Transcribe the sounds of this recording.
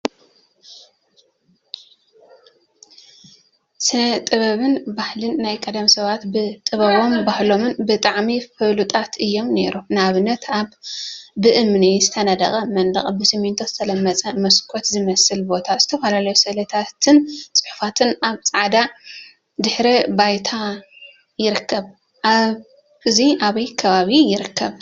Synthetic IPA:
sɨnɐt̪ʼɨβɐβɨnbahlɨnːajkʼɐd̪ɐmsɐβat̪bɨt̪ʼɨβɐβo̞mbahlo̞mɨnbɨt̪ʼaʕmifɨlut̪ʼat̪ʰɨjːo̞mne̞̰ɾunaβɨnːɐt̪ʰaβː | ɨʔɨmnizɨt̪ʰɐnɐd̪ɐ̰χʼɐmɐnd̪ɐ̰χʼbɨsɨmint̪ʰozɨt̪ʰɐlɐmːɐt͡sʼɐmɐskʰo̞t̪zɨmɐsɨlbo̞t̪ʰazɨt̪ʰɐfalalɐjusɐlɐt̪ʰat̪ʰɨnt͡sʼɨ̥ħu̥fat̪ʰɨnaβt͡sʼaʕd̪a | d̪ɨħɾibajt̪ʰa | jɪɾɨkʰːɐβ | ʔaβ | ɨziʔaβɐjkʰɐβaβijɪɾɨkːɐβ

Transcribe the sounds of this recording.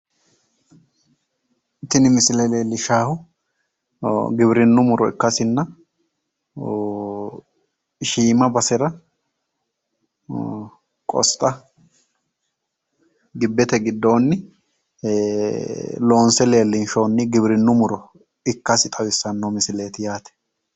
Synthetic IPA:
t̪ːɪnɪmɪsɪlɛleːlːɪʃaːhʊ | ɡɪbɪɾɪnːʊmʊɾɔɪkːɐsɪnːɐ | ʃiːmɐbɐsɛɾɐ | kʼɔ̰st̪ʼːɐ | ɡɪbːɛt̪ɛɡɪd̪ːo̞ːnːɪ | lo̞ːnsɛle̞ːlːɪnʃo̞ːnːɪɡɪbɾɪnːʊmʊɾɔ | ɪkːɐsɪt̪ʼɐwɪsːɐnːomɪsɪleːt̪ɪjaːt̪ɛ̥

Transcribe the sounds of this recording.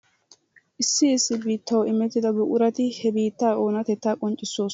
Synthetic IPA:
ʔɪsːɪɪsːɪbiːt̪ːɐwɪmɛt̪ːɪd̪ɐbʊʔʊɾɐt̪ɪhɛbiːt̪ːaːo̞ːnɐt̪ɛt̪ːaːkʼɔnt͡ʃʼːɪsːoːs

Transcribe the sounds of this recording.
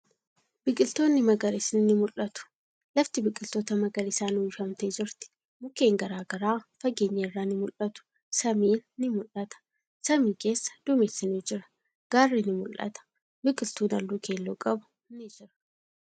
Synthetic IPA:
b̥ɪkʼɪlt̪o̞ːnːɪmɐɡɐɾɪsɪnnɪmʊlʔɐt̪ʊ̥ | lɐft̪ɪbɪkʼɪlt̪o̞ːt̪ɐmɐɡɐɾɪsaːnuːɪfɐmt̪eːd͡ʒɪɾt̪ɪ̥ | mʊke̞ːŋɡɐɾaːɡɐɾaːfɐɡe̞ːɲːɐɪrːaːnɪmʊlɐt̪ʊ̥ | sɐmiːnːɪmʊlɐt̪ɐ̥ | sɐmiːke̞ːsːɐ̥d̪̥ʊmesːɪniːd͡ʒɪɾɐ̥ | ɡ̥aːrːinɪmʊlʔɐ̰t̪ɐ̥ | bɪkʼɪlt̪uːnɐlːuːkʰe̞ːlːuːkʼɐbʊ̥ | nɪd͡ʒɪɾɐ̥

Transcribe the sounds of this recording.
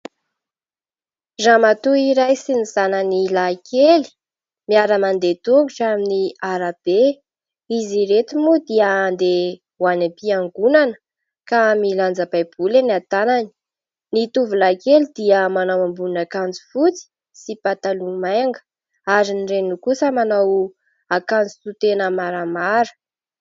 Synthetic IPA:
zamat̪uiɾajsinizanənilakʰeli̥ | miaɾəmand̪et̪uŋɡuʈ͡ʂaminiaɾab̥e | iziɾet̪imud̪iənd̪e | wanapiaŋɡunanə̥ | kamiland͡zəbajb̥ulenat̪anani̥ | nit̪uvulakelid̪̥iəmanawambunnakand͡zu̥fut͡si̥ | sipat̪alumajŋɡə̥ | aɾinirenukusəmanaw | akand͡zu̥t̪ut̪enəmaɾamaɾə̥

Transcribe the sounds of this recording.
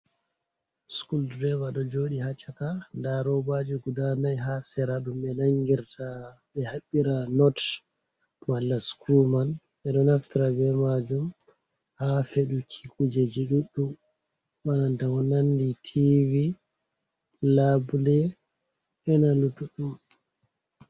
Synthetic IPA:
skuldɾɛvaɗɔd͡ʒoɗihat͡ʃːakandaɾɔbad͡ʒiɡudanajɦasɛɾaɗumɓɛnaŋɡiɾtaɓɛhaɓːiɾanɔt | malːaskɾuman | ɓɛɗɔnaftiɾabɛmad͡ʒum | hafeɗukʰikʼud͡ʒed͡ʒiɗuɗːu | wanandawɔnanditʰivi | labulɛ | ɓɛnalutuɗu

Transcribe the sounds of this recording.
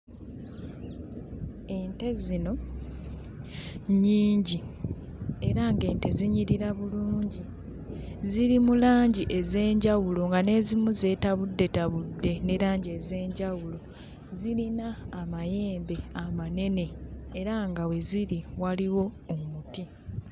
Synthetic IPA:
e̞nte̞zino̞ | ɲiːɲɟi | e̞ɾaŋɡe̞ːnte̞ziɲiɾiɾaβuluːɲɟi | ziɾimulaːɲɟiʔeze̞ːɲɟawulo̞ŋɡane̞zimuze̞ːtaβudːe̞taβudːe̞neɾaːɲɟe̞ze̞ːɲɟawulo̞ | zilinaːmaje̞ːmbe̞amane̞ne̞ːɾaŋɡawe̞ziɾiwaliwo̞ːmuti

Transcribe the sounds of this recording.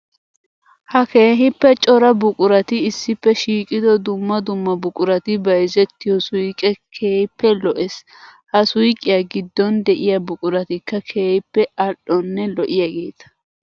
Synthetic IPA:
hɐke̞ːɦɪpːɛt͡ʃʼɔɾɐbʊkʼʊɾɐt̪ɪɪsːɪpːɛʃiːkʼɪd̪ɔd̪ʊmːɐd̪ʊmːɐbʊkʼʊɾɐt̪ɪbɐjzɛt̪ːɪjɔsʊjkʼɛkʰeːhpːɛlɔʔɛs | hɐsʊjkʼɪjaɡɪd̪ːɔnd̪ɛʔɪjɐbʊkʼʊɾɐt̪ɪkːɐkʰe̞ːhɪpːɛɐɗɔnːɛlɔʔɪjaɡe̞ːt̪ɐ̥

